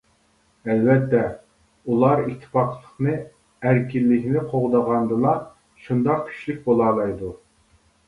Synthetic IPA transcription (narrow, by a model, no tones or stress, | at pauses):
ɛlvɛt̪ːɛ | ulˠɑɾit̪ʰːɨ̥pɑqʰlˠəχnɨ | æɾkʲilːɪkʲnɪqʰoʁd̪əʁɑnd̪ɨlˠɑ | ʃund̪ɑq̚kʲʰy̥ʃlyk̚ʲbolˠɑːlˠɑjd̪u